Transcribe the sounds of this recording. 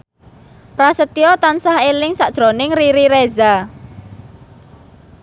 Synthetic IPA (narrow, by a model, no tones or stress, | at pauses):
pɾasət̪iɔt̪ansahelɪŋsaʔd̥ʒ̥ɾonɪŋriɾiɾeza